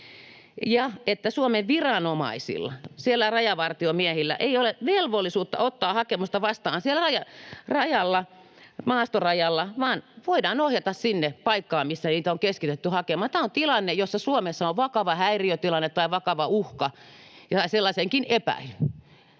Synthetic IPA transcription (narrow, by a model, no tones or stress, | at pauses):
jɑet̪ːæsuomeʋʋirɑnomɑ̰isḭlːɑ̰sielːærɑjɑʋɑrt̪iomiæhilːæ̰ʔeioleʋelʋolːisuːt̪ːɑ̰ot̪ːɑːhɑkemust̪ɑʋɑst̪ɑːnsielæɑjɑrɑjɑlːɑ | mɑːst̪orɑjɑlːɑʋɑːnʋoidɑːnohjɑt̪ɑssinːepɑikːɑːmisːæniːt̪æoŋkeskit̪et̪ːyhɑkemɑt̪ːɑont̪ilɑnːejosːɑsuomesːɑoʋʋɑkɑʋɑhæiriøt̪ilɑnːet̪t̪ɑiʋɑkɑʋɑuhkɑ | jɑt̪ɑiselːɑseŋkinepæ̰il